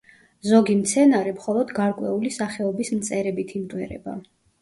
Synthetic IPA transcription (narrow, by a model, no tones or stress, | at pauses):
zɔɡimt̪sʰɛnaɾɛmχɔlˠɔd̪ɡaɾkʼwɛulisaχɛɔbismt̪sʼɛɾɛbit̪ʰimt̪ʼwɛɾɛ̰ba̰